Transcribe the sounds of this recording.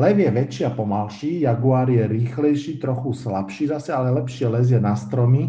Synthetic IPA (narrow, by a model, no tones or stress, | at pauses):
lɛvjɛʋɛt͡ʃɪapɔmalʃiːjaɡuaːɾjɛɾiːxlɛjʃiːt̪ɾɔxuslapʃiːzasɛalɛlɛpʃilɛzjɛnast̪ɾɔmi